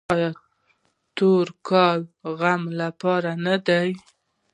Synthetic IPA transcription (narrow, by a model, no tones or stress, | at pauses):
jɑ | t̪oɾkɑlɣamlapɑɾanad̪aj